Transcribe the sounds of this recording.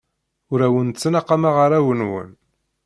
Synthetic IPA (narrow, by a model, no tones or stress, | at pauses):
ʊɾæwənt͡sːənɑqːamaʁəɾæwənwə̰n